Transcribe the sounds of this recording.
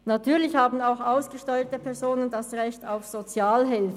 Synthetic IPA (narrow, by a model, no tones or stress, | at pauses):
natʰyːɐlɪçhaːbn̩aʊxaʊsɡ̥əʃtɔʏətəpʰɛɐzoːnəndasʁɛçtaʊfz̥ot͡sjaːlɦɪlfə